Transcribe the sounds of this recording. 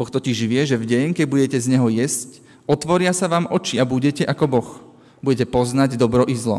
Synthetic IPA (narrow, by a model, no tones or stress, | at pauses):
bɔxt̪ɔciʒʋɪɛʒɛvɟɛɲkɛɟ̚buɟɛcɛzɲɛɦɔjɛsc | ɔt̪ʋɔɾɪasaʋaːmʔɔt͡ʃiabuɟɛcɛʔakɔbɔx | buɟɛcɛpɔznaɟd̪ɔbɾɔʔizlɔ̰